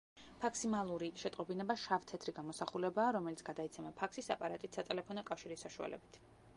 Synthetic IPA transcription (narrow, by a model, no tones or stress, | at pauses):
makʰsimalˠuɾiʃɛt̪ʼqʼɔbinɛbaʃavt̪ʰɛt̪ʰɾiɡamɔsaχulɛbaːɾɔmɛlit̪sʰɡ̥ad̪ait̪sʰɛmapʰakʰsisa̰pʼaɾat̪ʼit̪sat̪ʼɛlɛpʰɔnɔkʼafʃiɾisːaʃua̰lɛ̰bit̪ʰ